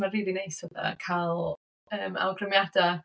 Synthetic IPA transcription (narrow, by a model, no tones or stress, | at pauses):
mariːðinejsəða̰kʰalˠ | əːma̰wɡrəmjada